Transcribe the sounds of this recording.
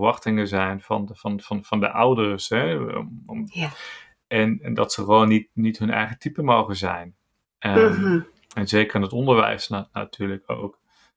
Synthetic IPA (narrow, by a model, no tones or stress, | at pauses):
ʋɑχtɪŋəzɛjnvɑnvɑnvɑnv̥ɑndə̰ʔʌwdəɹsɦɛ | ɛnɛndɑ̰tsəχəʋoːnːit̚nitɦɵnɛ̰jχətipəmowχəzɛ̰jn | ə | ɛnzejkəɹɪnətɔndəɹʋɛ̰jsnana̰tʰyːɹləko̰wk